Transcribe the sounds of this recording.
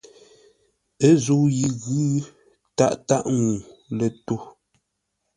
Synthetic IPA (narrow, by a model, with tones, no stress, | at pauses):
ə˦zo˨ji˨ɣʉ˦ | ta̰˦ʔta˦˨ʔŋu˨lə˨to˦˨